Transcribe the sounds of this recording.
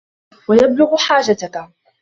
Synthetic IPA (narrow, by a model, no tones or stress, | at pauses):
wajablʊɣħaːd͡ʒat̪ak